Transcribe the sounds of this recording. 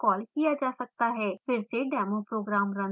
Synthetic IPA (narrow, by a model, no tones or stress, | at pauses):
kɔːlkijaːd͡ʒaːsək̚t̪aːɦɛːpʰɪɾd͡ʒeːɖɛːmoːpɾoːɡɾaːmɾə̃n